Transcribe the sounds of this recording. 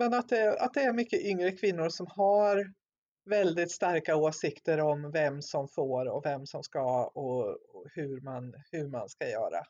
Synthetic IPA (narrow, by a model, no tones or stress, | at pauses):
mɛnat̪̚d̪ɛa̰t̪̚d̪ɛæɾmʏkːəʔʏŋɾəkʰvɪnːʊɾʂɔmhaɾ | vɛld̪ɪt̪st̪aɾkaoːsɪkt̪əɾɔmvɛmːsɔmfoːɾɔvɛmːsɔmskaɔhɵɾmanhɵɾma̰nskajœ̰ːɾa̰